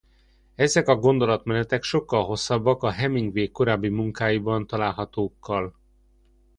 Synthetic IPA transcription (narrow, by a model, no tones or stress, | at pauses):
ɛzɛkɒɡo̞nd̪o̞lɒt̪mɛnɛt̪ɛkʃo̞kːɒlɦo̞sːɒbːɒkɒɦɛmiŋɡʋeːkːo̞ɾaːbːimuŋkaːjibɒnt̪ɒlaːlɦɒt̪oːkːɒl